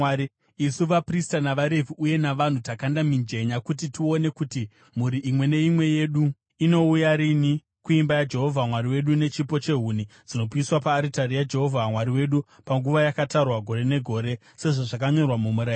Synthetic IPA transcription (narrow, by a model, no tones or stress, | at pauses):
i | isuʋapristanaʋaɾevʱiuje̞naʋan̤utakandamind͡ʒe̞ɲakutitio̞ne̞kuti | muɾiʔimwe̞ne̞imwe̞je̞ɗu | ino̞ujaɾini | kuimbajad͡ʒe̞ɦo̞vʱamwaɾiwe̞ɗune̞t͡ʃipo̞t͡ʃe̞ɦunid͡zino̞piiswapaːɾitaɾijad͡ʒe̞ɦo̞vʱamwaɾiwe̞ɗu | paŋɡuʋajakatarwaɡʱo̞ɾe̞ne̞ɡʱo̞ːɾe̞ | se̞ʐoʐakaɲo̞rwamumuɾa